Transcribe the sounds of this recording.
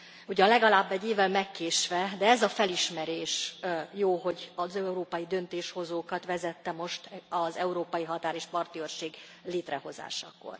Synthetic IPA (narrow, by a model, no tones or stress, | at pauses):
uɟɒnlɛɡɒlaːbːɛɟːeːvːɛlmɛkːeːʃʋɛd̪ɛɛzɒfɛliʃmɛɾeːʃjoːɦo̞ɟɒzɛuɾoːpɒjid̪ø̞nt̪eːʃho̞zoːkɒt̪ʋɛzɛt̪ːɛmo̞ʃt̪ɒzɛuɾoːpɒjiɦɒt̪aːɾeːʃpɒrt̪iørʃeːɡ | leːt̪rɛho̞za̰ːʃɒ̰ko̰r